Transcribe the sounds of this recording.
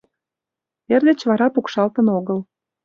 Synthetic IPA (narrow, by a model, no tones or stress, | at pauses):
erd̪et͡ɕβɑɾɑpukʃɑlt̪ənoɣəl